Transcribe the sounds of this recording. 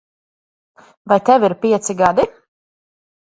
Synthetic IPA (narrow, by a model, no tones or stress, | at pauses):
vajt̪ɛviɾpʲiɛt̪siɡad̪i